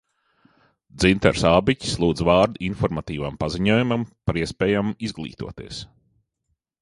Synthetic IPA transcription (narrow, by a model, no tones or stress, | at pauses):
d̪zint̪ɛ̰ɾsaːbicʲi̥slˠuːd̪zvɑːɾd̪uʔinfɔɾmat̪iːvampaziɲuɔːjumampaɾiɛspɛːjamuizɡlˠḭːt̪ṵɔt̪ḭɛs